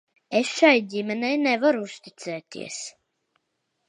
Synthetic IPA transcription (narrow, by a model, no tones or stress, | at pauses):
esʃajdʲimɛnɛjnɛvaɾuust̪it̪sɛːt̪ḭɛs